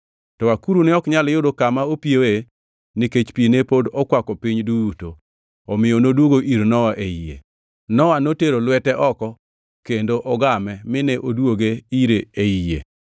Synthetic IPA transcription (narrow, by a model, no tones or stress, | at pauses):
tɔakuɾunɪɔkɲaljʊdokamaopiewe | niket͡ʃpinepodɔkwakɔpiɲduwuto | ɔmɪjɔnodwoɡoʔiɾnɔwaʔeijḛ | nɔwanoteɾolwɛtɛʔɔkɔ | kendoʔɔɡamɛmɪneʔodwoɡeiɾeeijḛ